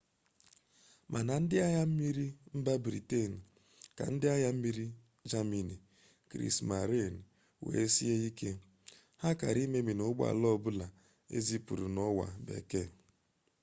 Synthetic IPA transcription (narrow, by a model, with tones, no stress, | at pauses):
mʔa˨na˨n̩˦dɪ˦a˦ɲa˦m̩˦mi˦ɾi˦m̩˦ba˦bɾḭ˨te˦˨n̩˨ | ka̰˨n̩˦dɪ˦a˦ja˦m̩˦mi˦ɾi˦ | d͡ʒa˦mi˨ni˨ | kɾḭ˦˨sma˨ɾe˦˨n̩˨ | wḛ˨e˦si˦ɦe˦i˦ke˦ | ha˦ka̰˨ɾi˦me˦mi˨nʊ˨˦ɡ͡ba̰˨lɔ˦˨bʊ˦la˨ | ḛ˦zi˦pu˨ɾu˨nɔ˦wa̰˨bḛ˨ke˦˨